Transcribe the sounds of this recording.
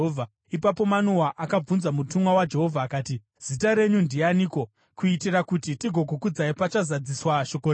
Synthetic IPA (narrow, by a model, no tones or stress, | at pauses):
a | ipapo̞manuwaʔakab͡vunzamutumwawad͡ʒe̞ɦo̞vʱaːkaːti | z̥itaɾe̞ɲundianiko | kuitirakutitiɡʱo̞kukud͡zaipat͡ʃazad͡ziswaʃo̞kore